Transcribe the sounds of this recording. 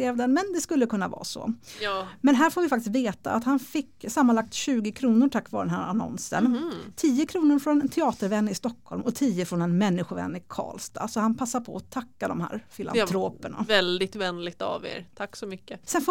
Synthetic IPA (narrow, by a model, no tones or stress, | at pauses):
eːvd̪ɛnmɛnd̪ɛskɵlːəkʰɵnːavɑ̰ːsɔ̰ | mɛnɦæːɾfoːɾvɪfakt̪ɪst̪veːt̪a̰ʔa̰t̪hanfɪkːsamːanlak̚t̪ɕʉ̟ːɡɪkʰɾuːnʊɾʈʰakːvɑːɾd̪ɛnɦæ̰ːɾanɔ̰nsə̰nt̪ʰiːəkʰɾuːnʊɾfɾɔnɛnt̪ʰɛɑːt̪əɾvɛnːɪst̪ɔkʰːɔlmɔt̪ʰiːəfɾɔnɛnmɛnːɪɧʊɾvɛ̰nːɪkʰɑ̰ːlst̪a̰sɔhanpʰasːapʰɔɔt̪ʰakːad̪ɔ̰mhæ̰ːɾfɪla̰nʰɾoːpəɳa̰vɛld̪ɪɡ̚t̪vɛnlɪɡ̚t̪a̰vḛːɾt̪ʰakːsɔmʏkːəsɛnf